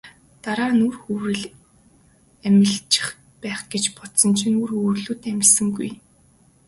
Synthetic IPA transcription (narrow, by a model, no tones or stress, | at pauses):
t̪aɾaːnurxuwɾɘ̆ɮ | æmʲɪ̆ɮt͡ɕɪ̥̆χ | pæːχɡ̥et͡ɕpɔt̪sɞ̆nt͡ɕʰinurxuːrɮuːt̪æmʲɪsɘ̆ŋɡuj